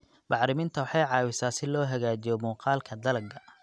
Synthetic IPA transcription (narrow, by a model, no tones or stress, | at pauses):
bɑħɾɪmɪnt̪ʰɐwɑħɑjʕɑːwɪsaːsɪlɔːɦɐɣaːd͡ʒijɔmuːqɑːlkʰɐd̪ɐlɐɡɐ